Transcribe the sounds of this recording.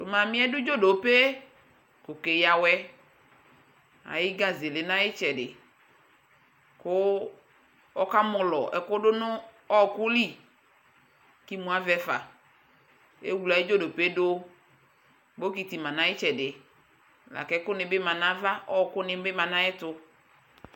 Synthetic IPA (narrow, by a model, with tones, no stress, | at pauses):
tʊ˨mã˨mɪ̃˦ɛ˦dʊ˦d͡ʒo˦do˨pe˦ | kʊ˨ke˨ja˨wɛ˦ | a̰˨jɪ˦ɡa˦ze˨lɪ˨nã˦jɪ˦t͡ʃɛ˨dɪ̰˨ | kʊ˦ | ɔ˦ka˦mʊ˨lɔ˨ɛ˨kʊ˦ɖʊ˦nʊ̃˦ | ɔ˦˨kʊ˦li˦˨ | ki˦mũ˨˦a˦vɛ˦fa˨ | ḛ˦wu˨la˨ɪ˦d͡ʒo˦do˨pe˦dʊ˦ | bo˦ki˨t̪i˨mã˨nã˦ɪ˦t͡ʃɛ˨dɪ˨ | la̰˨kɛ˦kʊ˦nɪ̃˨bɪ˦mã˨nã˦va˦ʔɔ˦˨kʊ˦nɪ̃˨bɪ˦mã˨nã˦jɛ˦tʊ˨